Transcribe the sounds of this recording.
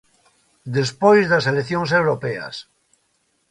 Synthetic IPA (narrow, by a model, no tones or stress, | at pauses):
d̪espojzðaseleθjõŋsewɾopea̰s